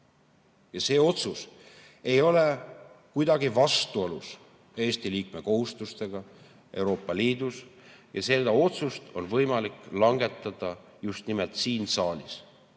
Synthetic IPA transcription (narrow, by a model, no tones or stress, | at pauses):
jɑse̞ːo̞t̪sus | e̞jo̞le̞kujd̪̥ɑɡivɑst̪uolus | e̞ːst̪iliːkme̞ko̞ɦust̪ust̪e̞ɡ̥ɑ | ʔe̞wɾo̞ːpːˑɑliːd̪̥us | jɑse̞ld̪ɑo̞t̪sust̪o̞nvɤ̞jmɑlikˑlɑŋɡe̞t̪ːˑɑd̪̥ɑ | just̪nimelt̪siːnsɑːlʲis